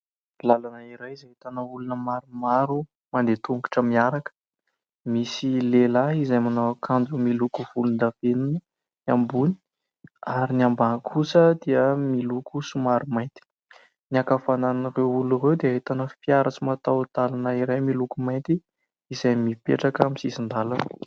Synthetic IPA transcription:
lalanəiɾajizaɦet̪anəulunəmaɾumaɾu | mand̪et̪uŋku̥ʈ͡ʂəmiaɾakə̥ | misilelaizajmanakʰand͡ʒumilukuvulund̪avenunə | ambuni̥ | aɾiniambakʰusəd̪iəmilukusumaɾumajnt̪i̥ | niakafananirewulurewd̪eaɦet̪anəfpiaɾat͡simat̪awt̪alanəiɾajmilukumajnt̪i | izajmipḛʈ͡ʂakəmisisind̪alan

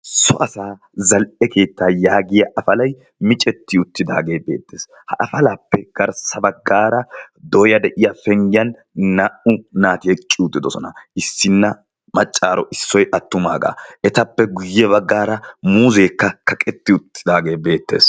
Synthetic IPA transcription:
sɔ̰ʔɐsaː | zɐlʔɛke̞ːt̪ːaːjaːɡɪjɐʔɐfɐlɐj | mɪt͡ʃʼɛt̪ːɪʊt̪ːɪd̪a̰ːɡe̞ːbe̞̰ːt̪ːeːs | hɐʔɐfɐlaːpːɛɡ̥ɐɾsɐbɐɡːaːɾɐd̪ɔjɐd̪ɛʔɪjɐfɛŋɡɪjɐnː | aʔʊnaːt̪ɪjɛt͡ʃʼːɪʊt̪ːɪd̪ɔsɔnɐɪsːɪnːɐ | mɐt͡ʃʼːaːɾɔʔɪsːɔjʔɐt̪ːʊmaːɡa̰ːɛt̪ɐpːɛɡʊjːɛbɐɡːaːɾɐmuːze̞ːkːɐkɐkʼɛt̪ːɪʊt̪ːɪ̥d̪aːɡe̞ːbe̞ːt̪ːe̞̰ːs

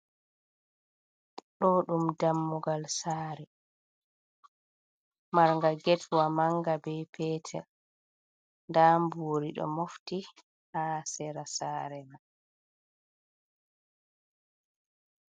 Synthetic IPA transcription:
ɗɔɗumdamːuɡalsaːɾɛ | maɾŋɡaɡɛtʰwamaŋɡabɛpʰɛːtʰɛ̰l | ndaːmboːɾiɗɔ̰mofti | haːsɛɾasaːɾɛman

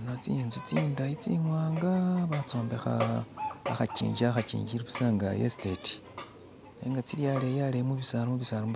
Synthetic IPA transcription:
nat͡sinzut͡sindait͡sḭŋwaːŋɡaβat͡so̞ːmbe̞xa̰ː | xat͡ʃḭːɲɟaxat͡ʃḭːɲiɾiβusaːŋɡa̰jḛsteti̥ | neːŋɡat͡siljalejalemuβisalamuβisalam

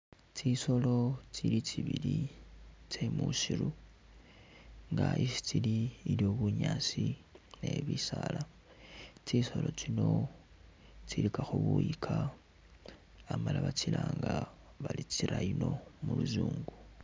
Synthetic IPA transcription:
t͡ʃiso̞lo̞t͡ʃilit͡ʃiβili | t͡ʃe̞muʃiɾu | ŋɡaʔisi̥t͡siliːljo̞βuɲaːsine̞βisala | t͡ʃiso̞lo̞t͡ʃino̞ | t͡ʃilikaxuβuikʰa | malaβat͡ʃilaːŋɡa | βalit͡siɾaino̞muluzuːŋɡu

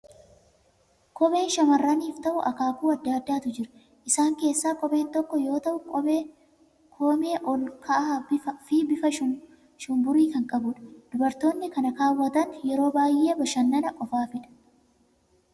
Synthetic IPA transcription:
kɔbe̞ːnʃɐmɐrːaniːft̪ɐʔʊʔɐkaːkuːɐd̪ːaːd̪ːaːt̪ʊd͡ʒɪɾɐ | ʔɪsaːŋke̞ːsːaːkʼɔbe̞ːnt̪ɔkːɔjo̞ːt̪ɐʔʊ | kʰoːme̞ːʔɔlkʰɐʔaːɪfɪbɪfɐʃʊ | ʃʊmbʊɾiːkɐŋkʼɐbʊᶑɐ̥d̪̥ʊbɐɾt̪o̞ːnːɪkɐnɐkaːwːɐt̪ɐnjɛɾo̞ːbaːjʔe̞ːbɐʃɐnːɐnɐʔʼɔfaːfɪᶑɐ̥

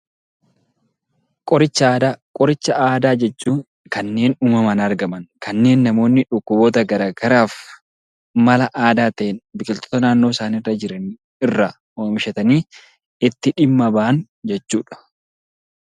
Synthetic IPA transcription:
kʼɔɾɪt͡ʃːɐaːd̪aːkʼɔɾɪt͡ʃːɐʔaːd̪aːd͡ʒɛt͡ʃːuːŋ | kɐnːe̞ːnuːmɐmɐnɐɾɡɐmɐnkɐnːe̞ːnːɐmo̞ːnːɪᶑʊkːʊbo̞ːt̪ɐɡɐɾaːɡɐɾaːf | mɐlɐʔaːd̪aːt̪ɐʔɛnbɪkʼɪlt̪ɔ̥t̪ɐnaːnːo̞ːsaːniːrːɐd͡ʒɪɾɐni | ɪrːɐ | oːmɪʃɐt̪ɐniː | ɪt̪ːɪᶑɪmːɐbaʔɐn | d͡ʒɛt͡ʃːuːᶑɐ̥

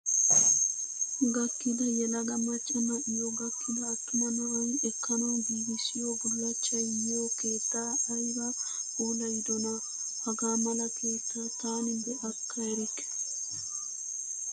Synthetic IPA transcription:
ɡɐkːɪd̪ɐjɛlɐɡɐmɐt͡ʃʼɐmɐʔɪjoɡɐkʰːɪd̪ɐːt̪ːʊmɐnɐwɐjɪɛkːɐnanbibisɪjoɡʊlːɐt͡ʃːɐjjoːkeːt̪ːaːɐjbaoːlɐjɪd̪ɔna | hɐɡamɐlɐkʰe̞ːt̪ːat̪aːnɪbɛʔɐkʰːɐɛɾɪk

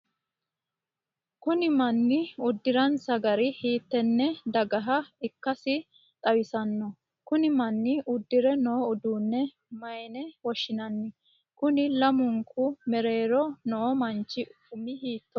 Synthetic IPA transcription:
kʊnɪmɐnːɪʊd̪ːɪɾɐnsɐɡɐɾɪhiːt̪ːɛnːɛd̪ɐɡɐɦɐɪkːɐsɪ | t̪ʼɐwɪsɐnːɔ | kʊnɪmɐnːɪʔʊd̪ːɪɾɛnoːʊd̪uːnːɛ | mɐjnɛwɔʃːɪnɐnːɪ | kʊnɪlɐmʊŋkʰʊmɛɾe̞ːɾɔnoːmɐnt͡ʃːɪ | ʊmɪhiːt̪ːɔ

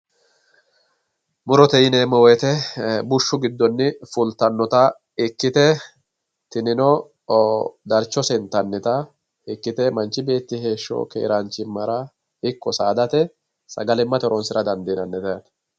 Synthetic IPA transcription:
mʊɾɔt̪ɛɪneːmːɔwɛt̪ɛbʊʃːʊɡɪd̪ːɔnːɪfʊlt̪ɐnːɔt̪ɐ | ɪkːɪt̪ɛ | t̪ɪnɪnɔ | d̪ɐɾt͡ʃːɔsɛnt̪ɐnːɛt̪ɐ | ɪkːɪt̪ɛmɐnt͡ʃːɪbe̞ːt̪ːɪhe̞ːʃːo̰ːkḛːɾaːnt͡ʃɪmːɐɾɐ | ɪkːɔsaːd̪ɐt̪ɛ | sɐ̰ɡɐlɪmːɐt̪ɔɾɔnsɪɾɐd̪ɐnd̪iːnɐnːɛt̪ɐːn

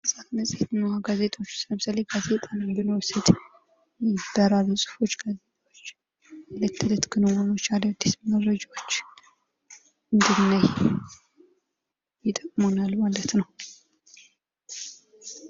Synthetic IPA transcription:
ɨsʼat̪məsʼet̪ɨnːawaɡaze̞t̪ʼo̞t͡ʃːsɨləmsaleɡaze̞t̪ʼannɡɨnowsəd̪ | jɛd̪aɾaβisʼu̥fo̞t͡ʃːɡazet̪ʰʼawot͡ʃː | alət̪ʰːɨlət̪ɡɨnowonot͡ʃːaləd̪ːisməɾɾəd͡ʒawot͡ʃː | ɨnd̪ɨnːaj | jɪt̪ʼəkʼmonalmalət̪nəw

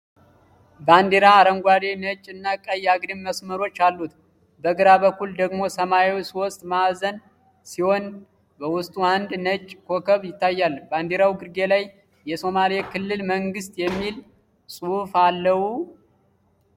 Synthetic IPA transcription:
band̪eɾaːɾəŋɡʷad̪e̞nət͡ʃʼːɨnːakʼəjːaɡɾimməsməɾo̞t͡ʃːalːut̪ | bəɡɨɾabəkːuld̪əɡmo̞səmaewsiwɔst̪ʼmazən | siho̞n | bəwʊst̪ʼuand̪nət͡ʃʼːkʰo̞kʰəβjɪt̪ːajːalband̪eɾawɡɨɾɡe̞laj | jɛso̞malekʰɨlːɨlməŋɡɨst̪ʼjɛmːil | sʼuhufalːəhu

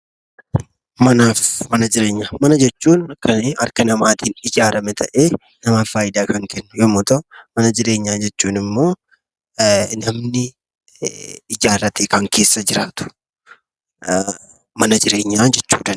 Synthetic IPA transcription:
mɐnaːfmɐnɐd͡ʒɪɾe̞ːɲːaːmɐnɐd͡ʒɛt͡ʃːuːnɐkːɐneɐ̰ɾkɐnɐmaːt̪iːnɪd͡ʒaːɾɐmɛt̪ʰɐʔeː | nɐmaːfaːjɪd̪aːkɐŋkɛnːʊjɔmʊt̪ɐmɐnɐd͡ʒɪɾe̞ːɲːaːd͡ʒɛt͡ʃːuːnɪmːo̞ː | nɐmnɪ | ɪd͡ʒaːrːɐt̪eːkɐŋkʰe̞ːsːɐd͡ʒɪɾaːt̪ʊ̥ | mɐnɐd͡ʒɪɾe̞ːɲːaːd͡ʒɛt͡ʃːṵːd̪ɐn

